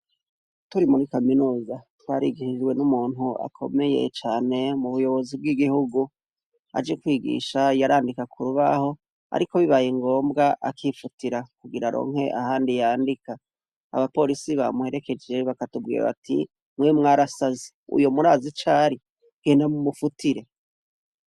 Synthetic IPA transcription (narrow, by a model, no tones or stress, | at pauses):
tuɾimuɾikaminuːzatwaɾiɡihid͡ʒɡwe̞numuːn̥hua̰kʰo̞̰me̞je̞̰t͡ʃaːne̞muβujo̞βo̞zib̚ɡiːɡihuɡu | a̰d͡ʒekwiːɡḭʃajaɾaːndikakʰuɾuβaho̞ | a̰ɾʔiko̞βiβajiŋɡo̞ːmbɡaʔa̰kʰifutiɾakuɡiɾaɾo̰ːŋ̥he̞ʔahaːndijaːndika | a̰βapo̞ɾisiβa̰muhe̞ɾe̞ke̞d͡ʒe̞βakatubɡḭːɾa̰βa̰tḭ | mwemŋaɾasazi | ṵjomuɾaːzit͡ʃaːɾi | ɡ̥eːndamumufutʰiɾe̞